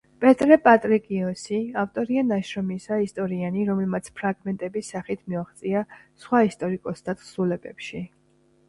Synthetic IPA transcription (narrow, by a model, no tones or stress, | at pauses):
pʼɛt̪ʼɾɛpʼat̪ʼɾikʼiɔsiaft̪ʼɔɾianaʃɾɔmisaist̪ʼɔɾianiɾɔmɛlmat̪sʰpʰɾaɡmɛnt̪ʼɛbisaχit̪ʰmiaχt̪sʼiasχwaist̪ʼɔɾikʼɔsd̪ʰat̪χsulɛbɛpʃi